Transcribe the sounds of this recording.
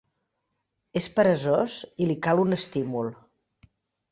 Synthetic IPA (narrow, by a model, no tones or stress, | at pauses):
espəɾəzozilikalˠunəst̪imulˠ